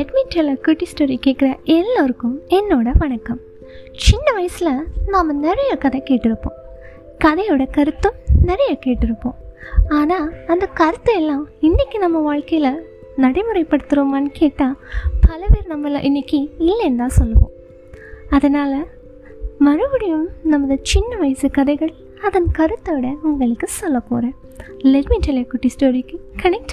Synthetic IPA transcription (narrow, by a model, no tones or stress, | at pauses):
ɛʈmɪʈːɐlɐkuʈːɪsʈoːɾikeːʈkɪɾɐʔɛlːoɾɯkːɯmɛnːoːɽɐʋɐɳɐkːɐm | t͡ʃɪnːɐʋɐjɐsɪlɐnaːmːɐnɛɾɐjɐkɐðɐkeːʈːɪɾɯpːõ̰ː | kɐðɐjʋɪɽɐkɐɾɯt̪ːɯmnɛɾɐjɐkeːʈːɪɾɯpːõ̰ːaːnaːɐnd̪ɐkɐɾɯt̪ːɯɛlːãːɪnːɪkʲːinɐmːɐʋaːɻkɐjɪlɐ | nɐɽɐɪmɯɾɐɪpːɐɽɯt̪ːɯɾoːmɐnkʰeːʈːaːpɐlɐpeːɾnɐmːɛlːã̰ːʔɪnːɪkːiɪlːɐnd̪ãːsɔlːɐʋõ̰ː | ɐðɐnaːlɐ | mɐɻɯʋɐɽɪjɯmnɐmːɐðɯt͡ʃɪnːɐʋɐɪjsɯkɐðɐɪɣɐɭ | ɐðɐnkɐɾɯt̪ːɐʋɪɽɐʊŋɡɐɭɯkːɯsɔlːɐpːo̰ːɾɐ̃ | lɛɾmɪnʈɐlekʊʈːisʈoːɾikːɯkɐnɛk̚ʈ